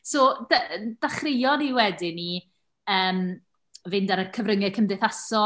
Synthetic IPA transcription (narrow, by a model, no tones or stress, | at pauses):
soːdad̥aχrɪjɔniwɛdɪni | əːm | vɪndaɾəkʰəvrəŋɛkʰəmdɛθasɔ